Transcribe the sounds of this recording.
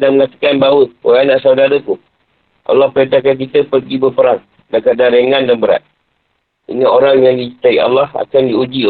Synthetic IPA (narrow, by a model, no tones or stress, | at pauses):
daməŋat̪ə̥kanbawəoanaʔsawdaɾək̪u | ʔa̰lːɑhpəɾənt̪akank̬it̪əpərɡibəpəɾaŋ | dakadaɾəŋãndanbəɾa̰t̪̚ | ḭŋaʔoɾaŋjaŋdit̪aia̰lːɑha̰kandiud͡ʒi